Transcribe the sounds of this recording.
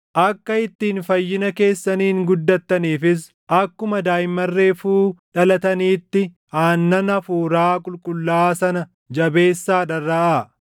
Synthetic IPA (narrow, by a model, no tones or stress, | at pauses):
ʔɐkːɐɪt̪ːiːnfɐjːɪnɐke̞ːsːɐniːŋɡʊd̪ːɐt̪ːɐniːfɪs | ʔɐkːʊmɐd̪aːjɪmːɐrːe̞ːfuːᶑɐlɐt̪ɐniːt̪ːɪ | haːnːɐnɐfuːɾaːkʼʊlkʼʊlːaːsɐnɐ | d͡ʒɐbe̞ːsːaːᶑɐrːɐʔa